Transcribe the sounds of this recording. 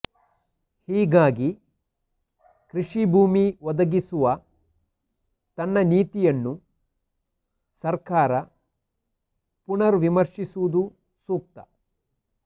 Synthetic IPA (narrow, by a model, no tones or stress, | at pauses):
hiːɡaːɡi | kɾiʂibʱuːmiʋɔd̪ɐɡisuʋɐ | t̪ɐnːɐniːt̪ijɐnːu | sɐɾkaːɾɐ | puɳɐɾʋimɐɾʂisuʋud̪u | suːk̚t̪ɐ̥̰